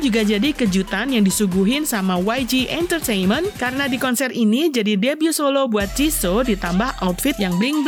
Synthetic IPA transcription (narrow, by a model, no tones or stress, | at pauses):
d͡ʒuɡad͡ʒadikəd͡ʒut̪anjaŋdisuɡuɦɪnsamawajd͡ʒiʔɛnt̪ərt̪ejnmənkaɾənadikɔnsɛrinid͡ʒadidebiusolobuat̪̚d͡ʒisodit̪ambahʔaut̪̚fɪt̪̚jaŋblɪŋb